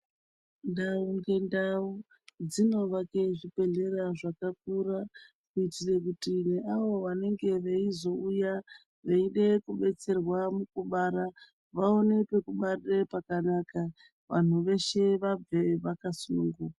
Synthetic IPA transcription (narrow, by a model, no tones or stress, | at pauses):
ndauŋɡe̞ndau | d͡zino̞ʋakeʐipe̞ɮe̞raʐakakuɾa | kuitirekutineaʋo̞ʋane̞ŋɡe̞ʋeizo̞uja | ʋeiɗe̞kuɓe̞t͡se̞rwamukuɓaɾa | ʋao̞ne̞pe̞kuɓarɗepakanaka | ʋa̰n̤uʋe̞ʃe̞ʋab͡veʋakasunuŋɡuka